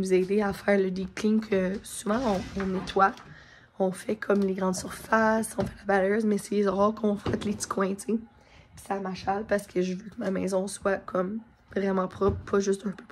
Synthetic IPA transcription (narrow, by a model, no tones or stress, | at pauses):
nuzɛːd̪eafɛːʁləd̪eklɪ̃ŋkʰəsuvɑ̃ɔ̃ɔ̃nɛt̪wa | ɔ̃fɛkʰɔmleɡʁɑ̃d̪syʁfasɔ̃fɛlabalə˞zmɛsedezɔʁɔːʁkɔ̃fat̪let͡si̥kʰwɛ̃t̪e | pi̥samaʃalpaʁsə̥kʰəʒəvøkəmamɛːzɔ̃swakʰɔm | vʁɛmɑ̃pχɔpʰɔʒʏst̪œ̃pøp